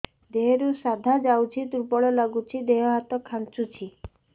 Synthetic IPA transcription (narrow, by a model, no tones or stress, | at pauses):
d̪eɦeɾusad̪ʱad͡ʒawt͡ʃʰit̪uɾpɔɭɔlaɡut͡ʃʰid̪eɦɔɦat̪ɔkʰant͡ʃut͡ʃʰi